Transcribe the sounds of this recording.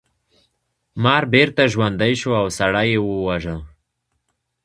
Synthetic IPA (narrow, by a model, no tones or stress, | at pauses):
mɑɾbeɾt̪aʒwand̪ajʃoawsaɽajewəwaʒə